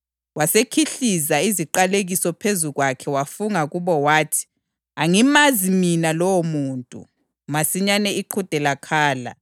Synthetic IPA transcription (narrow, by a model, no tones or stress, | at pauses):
wasekʰiɬizaiziǃaleɣisɔpʰezuɣwakʰɛwafuŋaɣuβɔwaːtʰi̥ | aŋimaziminalɔwomuːntʼṵ | masiɲanɛiǃʰud̥ʱɛlakʰaːla̰